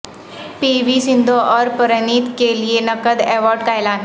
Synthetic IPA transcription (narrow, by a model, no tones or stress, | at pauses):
piʋisind̪ʱoʔɔɾpəɾəniːt̪kelijenəkəd̪ɛʋɔɾɖkajlan